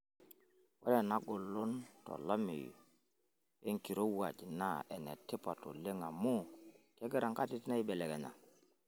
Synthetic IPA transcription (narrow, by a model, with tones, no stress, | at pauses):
wɔ˦lɛ˨na˦ɡʊ˨lʊ˦ntɔ̰˨la˦mḭ˨jo̰˨ | e˦ŋki˨ɾo˦wa̰˨d͡ʒi˨na̰˦ɛ˨nɛ̰˨tɪ˦pa˨to̰˨le˦ŋa˨mʊ˦kɛ˦ɡɛ˦ɾa˨ŋka˦ti˦tna˦i˦bɛ˨lɛ˨ɡɛ˨ɲa̰˨